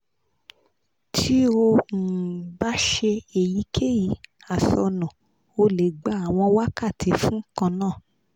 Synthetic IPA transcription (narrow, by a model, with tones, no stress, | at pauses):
tʰi˦o˧˨ba˨˦ʃe˧e˨ji˨˦kʰe˦˨ji˨˦ | a˨sɔ˧nɔ̃˨ | o˧le˨ɡ͡ba˨˦a˨w̃ɔ̃˧wa˦ka˦˨ti˨˧˦fũ˦kã˧nãː˦˨